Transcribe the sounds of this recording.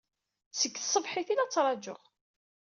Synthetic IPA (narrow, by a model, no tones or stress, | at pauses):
səkːsˤːəvħiθilæt͡sːɾˤɑd͡ʒə̰ʁ